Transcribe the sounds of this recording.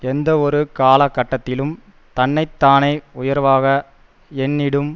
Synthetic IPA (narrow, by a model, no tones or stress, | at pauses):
ɛnd̪ɐɔɾɯkaːlɐkːɐʈːɐt̪ːɪlɯm | t̪ɐnːɐɪt̪ːaːnɐɪʊjɐɾʋaːɣɐ | ɛɳːɪɽɯm